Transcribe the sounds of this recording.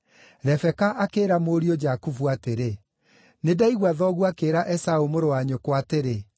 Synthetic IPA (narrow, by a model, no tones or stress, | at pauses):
ɾɛfɛkaʔakeːɾamoːɾiɔd͡ʒakufuateɾe | nedaiɣwaðɔɣuakeɾaʔɛsaomoɾowaɲokwateɾe